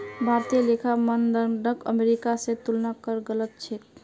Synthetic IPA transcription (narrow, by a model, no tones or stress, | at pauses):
bʱaɾt̪ijəlekʰamənd̪əɾɖəkə̰meɾikasẽt̪ulnakəɾɡələt̪̚t͡ʃʰɛt̪̚